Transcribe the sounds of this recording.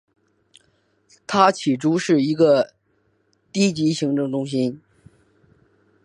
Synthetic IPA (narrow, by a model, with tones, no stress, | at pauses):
t̪ʰa˥t͡ɕʰi˨˩ʈ͡ʂu˥ʂɻ̩˥˩i˧˥ɡə˧ | t̪i˥t͡ɕi˧˥ɕi˧˥ŋʈ͡ʂɤ˥˩ŋʈ͡ʂʊ˥ŋɕi˥n